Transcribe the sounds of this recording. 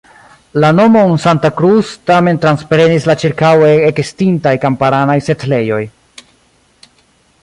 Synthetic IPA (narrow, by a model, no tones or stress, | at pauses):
lano̞mo̞nsantakɾustame̞ntɾanspɾe̞nislat͡ʃiɾkaweekestintajkampaɾanajse̞tle̞jo̞j